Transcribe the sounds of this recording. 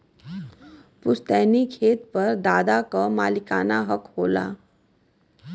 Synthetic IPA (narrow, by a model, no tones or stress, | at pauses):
pʊst̪ɛːnikʰeːt̪pɐɾd̪aːd̪akamaːlɪkaːnaɦɐkhoːla̰ː